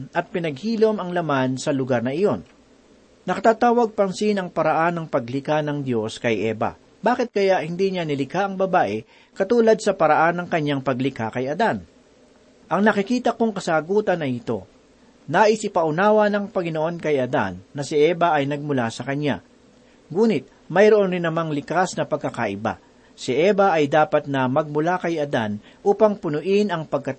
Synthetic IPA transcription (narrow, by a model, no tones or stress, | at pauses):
ɐt̪̚pɪnɐɡ̚hiːlo̞mɐŋlɐmansɐlʊɡaɾnɐʔɪjo̞n | nɐkɐt̪aːt̪aːwɐɡ̚pɐnsinɐŋpɐɾɐʔanːɐŋpɐɡlɪkanɐŋd̪jo̞skɐjʔɛ̰ːbɐ̰ | baːkɪt̪̚kɐjaʔhɪnd̪iɲanɪlɪkaʔɐŋbɐbaːʔɛ | kɐt̪uːlɐd̪̚sɐpɐɾɐʔanːɐŋkɐɲːaŋpɐɡlɪkakɐjɐd̪an | ʔɐŋnɐkɪkiːt̪ɐkoŋkɐsaːɡuːt̪ɐnɐʔɪt̪o̞̰ | naːʔɪsʔɪpɐʔʊnaːwɐnɐŋpɐŋɪno̞ʔo̞nkɐjʔɐd̪a̰nːɐsɪʔɛːbɐʔɐjnɐɡ̚mʊlasɐkɐɲa̰ | ŋuːnɪt̪̚ | mɐjɾoʔonɾɪnːɐmaŋlɪkasnɐpɐɡ̚kɐka̰ʔɪba̰ | sɪʔɛbɐʔɐjd̪aːpɐt̪̚nɐmɐɡ̚mʊlakɐjɐd̪a̰n | ʔuːpɐŋpʊnʊʔɪnɐŋpɐɡ̚kɐ